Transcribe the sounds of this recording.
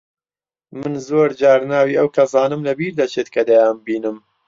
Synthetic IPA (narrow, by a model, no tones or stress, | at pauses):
mɨnzoːɾd͡ʒaːɾnaːwiːʔɐwkʰɐzaːnɨmlɐbiːɾd̪at͡ʃʰet̪kʰɐd̪ajambiːnɨm